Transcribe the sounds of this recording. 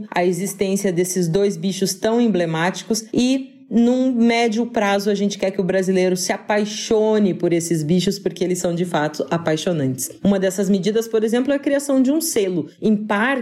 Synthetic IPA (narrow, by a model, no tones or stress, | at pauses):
ɐ̰ezist̪ẽsiɐd̪esɪzd̪ojzbiʃʊst̪ɐ̃w̃ẽmblemat͡ʃi̥kʊsɪ | nũmɛd͡ʒʊpɾazʊaʒẽnt͡ʃɪ̥kɛɾkɪʊbɾazilejɾʊsɪapajʃonɪpoɾesɪzbiʃʊspoɾkeelɪsɐ̃w̃d͡ʒɪfat̪ʊʔapajʃonɐ̃nt͡ʃɪ̥sũmɐd̪ɛsɐzmed͡ʒid̪ɐspoɾezẽmplʊɛɐkɾiasɐ̃w̃d͡ʒɪũselʊẽj̃paɾ